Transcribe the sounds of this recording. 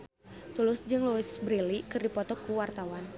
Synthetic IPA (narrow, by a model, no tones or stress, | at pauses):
t̪ulʊsd͡ʒɨŋluɪsbɾilikɨrdipɔt̪ɔkuwart̪awan